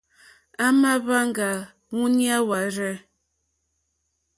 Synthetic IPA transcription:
a˦ma˦βa˦ŋ˦ɡa˨ | ŋu˦ni˦a˦wa˨ɾɛ˦

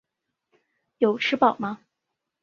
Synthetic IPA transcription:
jo˨˩ʊʈ͡ʂʰɻ̩˥pɑ˨˩ʊmɐ˦

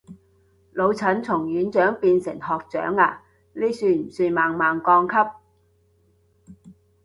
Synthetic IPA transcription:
lo˨˧wt͡sʰɐ˨˥nt͡sʰʊ˨˩ŋjyː˨˥nt͡ʃœː˨˥ŋpiː˧nsɪ̰˨˩ŋhɔː˨k̚t͡ʃœ̰ː˨˥ŋaː˧ | liː˥syː˧m̩˨˩syː˧maː˨ŋmaː˨ŋkɔː˧ŋkʰɐ˥p̚

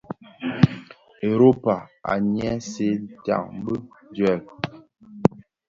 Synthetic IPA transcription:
e˨ɾo˦pa˨a̰˨ɲjɛ˦se˦n˦ta̰˦˨ŋm˦bə˦ | dɥɛ˦˨l

